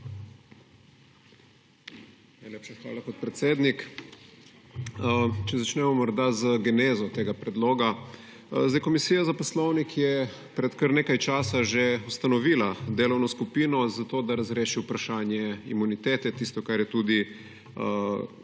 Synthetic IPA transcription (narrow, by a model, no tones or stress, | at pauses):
najlʲeːpʃaxʋa̰ːlakot̪̚pɾɛt̪seːd̪nik | t͡ʃɛzat͡ʃnɛmɔmɔɾd̪azəɡɛnezɔt̪eːɡapɾɛd̪loːɡa | zd̪ɛjkɔmisiːjazapɔslɔwnikjɛ | pɾɛt̪kəɾneːkajt͡ʃaːsaʒeust̪anɔʋiːlad̪eːlɔwnɔskupinɔzat̪oːd̪aɾazɾeːʃiwpɾaʃaːnjɛḭmunit̪eːt̪ɛt̪ist̪ɔkaɾjɛt̪uːd̪i